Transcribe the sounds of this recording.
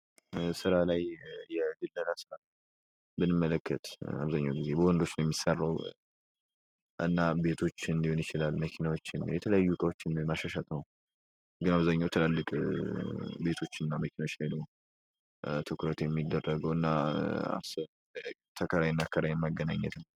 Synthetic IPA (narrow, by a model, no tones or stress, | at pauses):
sɨɾalajjɛɡɨlːəlasɨɾa | mɨnɨmːələkːət̪a̰βzaɲːawɡize̞bəwɔnd̪o̞t͡ʃːnəwjɛmːisːarːəw | ʔɨ̰nːabe̞t̪ʰo̞t͡ʃːɨnd̪iho̞njɪt͡ʃɪlalməkʰinawot͡ʃːɪnjɛt̪ʰələjajːukʼəwot͡ʃːɪnmaʃaʃat̪ʼnəw | ɡɨnaβzaɲːawɛt̪ʰəlalːɨkʼ | be̞t̪ʰo̞t͡ʃːɨnːaməkʰinawot͡ʃːlajnəw | t̪ʰɨkʰɾət̪jɛmːid̪ːərːəɡəwɨnːaa̰sə | t̪ʰəkʰəɾajɛnːakʰːəɾajɛmːaɡəna̰ɲːɛ̰t̪nə